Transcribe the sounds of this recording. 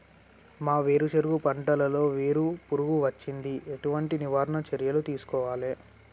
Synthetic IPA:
maːʋe̞ːɾut͡ʃeɾɡupɐɳʈɐlɐlo̞ːʋeːɾupuɾuɡuʋɐt͡ʃːind̪ieʈuʋɐɳʈiniʋaːɾɐɳɐt͡ʃɐɾjɐlut̪iːsu̥kɔːʋaːleː

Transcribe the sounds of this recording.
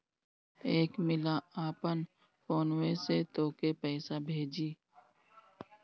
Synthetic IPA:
eːkmɪlaaːpən | foːnweːset̪oːkepɛːsabʱeːd͡ʒiː

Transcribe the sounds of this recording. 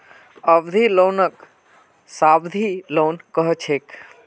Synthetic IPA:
əbd̪ʱiloːnək | saːbd̪ʱiloːnkəɦt͡ʃʰeːk

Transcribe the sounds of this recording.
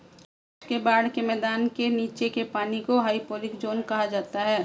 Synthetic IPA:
ʊskebaːɽkemɛːd̪aːnkeniːt͡ʃekepaːnikoɦaːipoːlɪkd͡ʒoːnkɐɦad͡ʒaːt̪aɦɛː

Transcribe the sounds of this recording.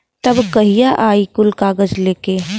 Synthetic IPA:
t̪ɐbkɐɦijaʔaːikʊlkaːɡəd͡ʒleːkeː

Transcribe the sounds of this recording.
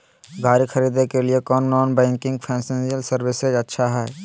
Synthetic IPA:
ɡʱaːɾixʰɐɾiːd̪ekeliekɔːnːɔːnbɛ̃ːŋkɪ̃ŋɡ̚pʰɛ̃ːsẽnsijəlsɐɾwɪsed͡ʒɐtːʃʰaɦɛː

